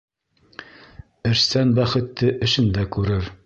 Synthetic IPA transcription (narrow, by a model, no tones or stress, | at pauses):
ɘ̆ɾsænbæχɘ̆t̪ːɘʔɘ̆ʃɘ̆nd̪ækʉɾɘɾ